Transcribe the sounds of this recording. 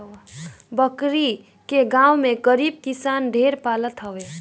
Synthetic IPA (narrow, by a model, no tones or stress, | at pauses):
bʌkɾi | keɡãwmeɡəɾib̚kisanɖʱeɾpalət̪ɦʌwe